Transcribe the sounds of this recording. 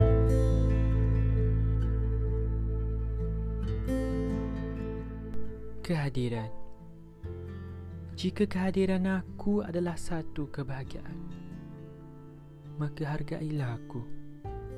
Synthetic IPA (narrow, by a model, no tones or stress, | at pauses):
kəɦadiɾan | d͡ʒikakəɦadiɾanakua̰dalahsat̪ukəbaɦɡa̰ʔan | makaɦarɡaʔilahaku